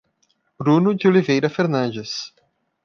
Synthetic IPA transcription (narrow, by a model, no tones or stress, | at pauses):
b̥ɾũnʊd͡ʒɪolivejɾɐfeɾnɐ̃nd͡ʒes